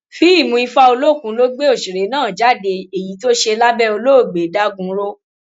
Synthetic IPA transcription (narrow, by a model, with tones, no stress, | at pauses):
fi˦i˦˨mũ˧˦i˧fa˧o˧lo˦˨kũ˨˦lo˦ɡ͡be˦o˦˨ʃi˨ɾe˨˦nãː˦˨d͡ʒa˨˦˨de˧e˨ji˨˦to˦ʃe˧la˦bɛ˦o˧lo˦o˦˨ɡ͡be˨˦da˦ɡũ˨˦ɾo˦